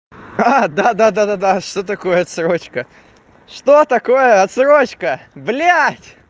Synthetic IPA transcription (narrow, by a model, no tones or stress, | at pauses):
ad̪ad̪ad̪ad̪ad̪aʂt̪ot̪ɐko̞jəɐt̪sɾot͡ɕkə | ʂt̪ot̪ɐko̞jəɐt̪sɾot͡ɕkəblʲatʲ